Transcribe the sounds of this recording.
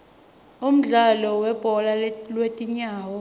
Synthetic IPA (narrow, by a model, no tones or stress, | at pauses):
um̩ɮalɔwɛb̥ʱɔlalwetʼiɲaːwɔ